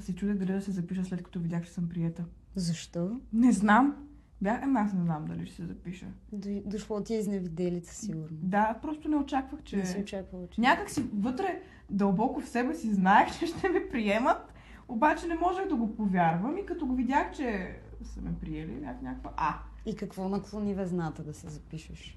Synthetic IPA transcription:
sɛt͡ʃud̪ɛɡd̪ɐlid̪ɐsɛzɐpiʃ̬əslɛt̪kɐ̥t̪ɔvid̪ʲaxt͡ʃɛ̥səmpɾiɛt̪ə | zɐʃt̪ɔnɛznam | bʲjaxamɛasnɛznamd̪ɐ̰liʃt̪ɛ̥sɛzɐpiʃə̰d̪d̪oʃlˠɔt̪iɛiznɛvid̪ɛlʲit̪ə̥siɡʊɾnod̪apɾɔst̪ʊnɛot͡ʃakvəxt͡ʃɛsɛot͡ʃakvət͡ʃnʲakəksivɤt̪ɾɛ | d̪ɐlˠbɔkofsɛbɛsiznaɛxt͡ʃɛʃt̪ʰɛmɛpɾiɛmət̪ | obat͡ʃɛnɛmɔʒɛɣd̪ɐɡopovʲjaɾvəmikɐt̪ɔɡovid̪ʲjaxt͡ʃɛsə̰mɛpɾiɛlḭbʲjaxnʲakvəʔaikɐkvɔnɐklˠonivɛznat̪əd̪ɐsɛzɐpiʃəʃ

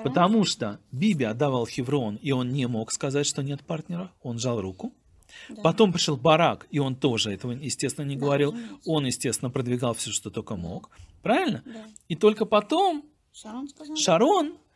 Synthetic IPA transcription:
pət̪ɐmuʂt̪obʲibʲɪɐd̪ːɐvalˠxʲɪvɾo̞nio̞nnʲɪmo̞kskɐzatʲʂt̪o̞nʲe̞t̪̚partʲnʲɪɾəo̞nʐalˠrukʊ | pɐt̪o̞mpɾʲɪʂolˠbɐɾakio̞nt̪o̞ʐɨɛt̪əvəjɪsʲtʲest̪vɪnənʲɪɡəvɐɾʲilˠo̞njɪsʲtʲe̞st̪vʲɪnəpɾəd̪vʲɪɡalˠfsʲoʂt̪o̞t̪o̞kəmo̞̰kpɾavʲɪlʲnə | it̪o̞lʲkəpɐt̪o̞m | ʂɐɾo̞n

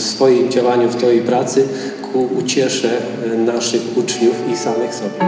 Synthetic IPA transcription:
fsfɔjimd͡ʑawaɲuft̪ɔjejpɾat̪sɘ | kʰuːt͡ɕɛʂɛ | naʂɘxut͡ʂɲufisamɘxsɔbʲɛ

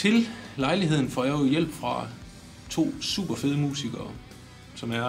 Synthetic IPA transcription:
t͡sʰe̝llɑ̈ɪliɦe̝ð̞̰ˠn̩fɒ̰ːjäjel̰b̥fʁɑ̈ | t͡sʰo̝̰ːsṵːb̥ɐfe̝ð̞ˠəmṵːsiɡ̥ɐː | sɒ̽mæɐ

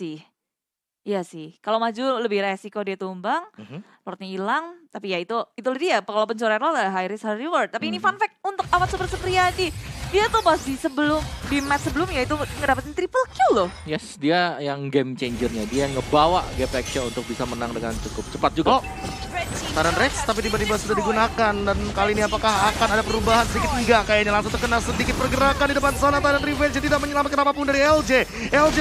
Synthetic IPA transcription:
sɪh | jasɪhkalowmad͡ʒuləbɪhɾesikodiat̪umbaŋ | lɔɾt̪̚ɲailaŋt̪apijait̪uit̪ulədijapkalowpənɲt͡ʃoɾarlɔlaɦajɾɪshaɾiwɔr̚t̪ːapiːnifanfɛk̪̚unt̪ʊk̚awat̪supərsəpɾiadidiat̪ubasisəbəlʊmdimɛt̪səbəlʊmjait̪uŋədapat̪̚ɲnt̪ɾipəlkjulɔhjɛsdiajaŋɡɛmt͡ʃeɲd͡ʒərɲadiaŋəbawaʔɡɛpɛk̚t͡ʃaunt̪ʊk̚bisamənaŋdəŋant͡ʃukʊp̚t͡ʃəpat̪̚d͡ʒuɡa | t̪adanrɛt̪st̪ap̬it̪ibat̪̬ibasudahdiɡunakandankaliiniapakaɦakanadapəɾubaɦansədikɪt̪əɡakajaɲalaŋsʊuŋt̪ərkənalsədikɪt̪̚pərɡəɾakandidəpansanat̪adanrivɛnat̪idaʔ̚məɲəlamat̪̚kənapapʊndaɾiɛld͡ʒe | ɛld͡ʒe

